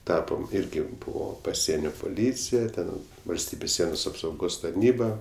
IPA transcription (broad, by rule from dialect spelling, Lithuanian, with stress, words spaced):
ˈtɑːpoːm ˈɪrʲɡʲɪ ˈbuːʋoː pɐˈsʲiɛnʲoː pʊˈlʲiːt͡sʲɪjɛ ˈtʲɛn ʋɐlʲsʲˈtʲiːbʲeːs ˈsʲiɛnoːs ɐpsɐʊˈɡoːs tɐrʲˈnʲiːbɐ